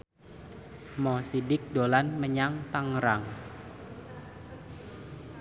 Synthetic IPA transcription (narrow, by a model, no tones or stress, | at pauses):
mɔsidɪk̚dolanməɲaŋt̪aŋɾaŋ